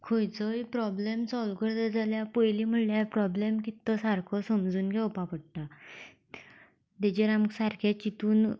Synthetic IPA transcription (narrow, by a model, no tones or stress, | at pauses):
kʰojt͡sɔipɾɔblemsɔlkəɾd̪əd͡zʱaljapəjlim̤əɽljapɾɔblemkit̪ːɔsaɾkʰɔsəmd͡zuːnkɛwpapəɽ̚ʈ̪a | d̪ed͡ʑeɾamksaɾkʰat͡ɕit̪uːn